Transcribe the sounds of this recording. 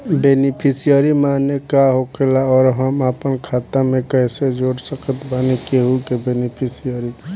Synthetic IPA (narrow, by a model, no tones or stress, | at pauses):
benipʰisijəɾimaːnekaɦokelaɔːɾɦəmapənkʰaːt̪amẽkəɪsed͡ʒoɽsəkət̪banikeɦukebenipʰisijəɾi